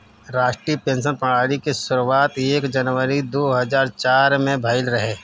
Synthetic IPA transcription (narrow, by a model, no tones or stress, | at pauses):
ɾaːʃʈɾiːpẽːnʃ̬ənpɐɽ̃aːɽikesʊɾuwaːt̪eːkd͡ʒɐnʋəɾid̪oːɦɐzaːɾt͡ʃaːɾmẽbʱɐɪlɾɐɦeː